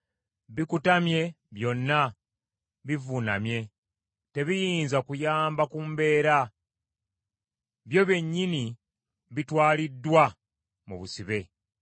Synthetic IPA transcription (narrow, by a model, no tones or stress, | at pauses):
βikutamje̞ | βjo̞nːa | βivunamje̞ | te̞βijiːnzakujaːmbakumbe̞ːɾa | βjo̞βe̞ɲːini | βitwaːlidːwa | mṵβusiβe̞